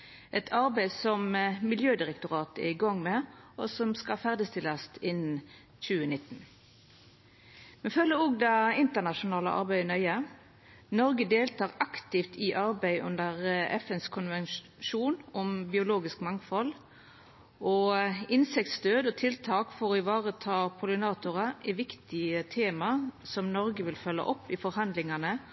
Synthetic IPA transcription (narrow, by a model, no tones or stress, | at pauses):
ʔɛt̪ʰɑʁbæɪsɔmmɪljøːd̪ɪʁɛkt̪ʊʁɑːt̪ɛ̰ʁɪɡɑŋːmɛɔsɔmskɑfæʁd̪ɪst̪ɪlːɑst̪ɪn | çʉːənɪt̪ːn̩ | mɛfœlːəɾʊɡd̪ɑɪnt̪əʁnɑʃʊnɑːlə̰ʔɑ̰ʁbæɪnœʏə | nɔʁɡəd̪eːlt̪ɑːʁɑkt̪ɪft̪ʰiʔɑʁbæɪʔʉ̰nd̪əʁʔɛfɛnskʰʊnʋɛn | ʃuːnɔmbɪʊloːɡɪskmɑŋfɔl | ʔɔɪnsɪkt̪st̪øːd̪ɔt̪ʰɪlt̪ʰɑːkfɔʁoːɪʋɑːʁət̪ʰɑːpʰʊlɪnɑːt̪ʊʁəɪʋɪkt̪ɪət̪ʰeːmɑsɔmnɔɾɡəʋɪlfœlːə̰ʔɔpːɪfɔɾhɑnd̪lɪŋɑnə